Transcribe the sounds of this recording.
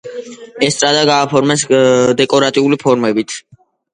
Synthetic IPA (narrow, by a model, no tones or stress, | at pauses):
ɛst̪sʼad̪aɡaːpʰɔɾmɛsd̪ɛkʼɔɾat̪ʼiulipʰɔɾmɛbit̪ʰ